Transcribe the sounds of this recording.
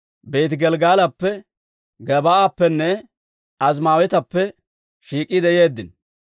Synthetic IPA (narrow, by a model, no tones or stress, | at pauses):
beːt̪ɪɡɛlɡaːlɐpːɛ | ɡɛbaːapːɛnːɛ | ɐzmaːwɛt̪ɐpːɛ | ʃiːkʼːɪd̪ɛje̞ːd̪ːɪn